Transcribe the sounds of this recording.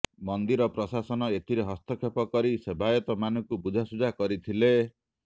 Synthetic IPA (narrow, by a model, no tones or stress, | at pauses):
mɔnd̪iɾɔpɾɔsasɔnɔet̪ʰiɾeɦɔst̪ʰɔkʰepɔkɔɾisebʱajɔt̪ɔmanɔŋkubud͡ʒʱasud͡ʒakɔɾit̪ʰile